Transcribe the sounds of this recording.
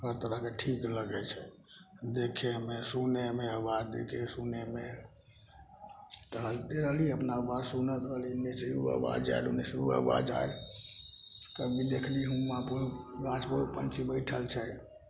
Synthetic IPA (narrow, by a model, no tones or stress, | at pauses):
həɾt̪əɾəɦkeʈʰikləɡɛt͡ʃʰɛ | d̪ekʰemesunemeəbad͡ʒd̪ḛkʰesuneme | t̪əɦəlt̪eɾəɦliəpnabasunət̪ɾəɦlineseuə̰ba̰d͡ʒa̰elṵneseṵə̰ba̰d͡ʒa̰el | kəbid̪ekʰliɦumːapuɾasboɾupə̰nt͡ʃʰibəɪʈʰəlt͡ʃʰɛ